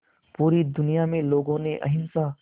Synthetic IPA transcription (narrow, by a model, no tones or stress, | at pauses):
puːɾid̪ʊnijamẽloːɡõneʔɐ̰ɦɪnsa